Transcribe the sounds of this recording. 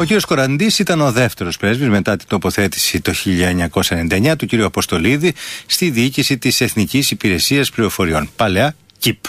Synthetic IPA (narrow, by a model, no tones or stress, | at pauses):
o̞ciɾiosko̞ɾɐnd̪isit̪ɐno̞ðe̞ft̪e̞ɾo̞spɾe̞zvizme̞t̪ɐt̪int̪o̞po̞θe̞t̪i̥sit̪o̞çiʎɐeɲɐko̞sɐenenid̪ɐeɲɐt̪uciɾiuɐpost̪o̞liðist̪iðiicisit̪ise̞θnicisipiɾe̞siɐsplio̞fo̞ɾio̞npɐleɐ | cip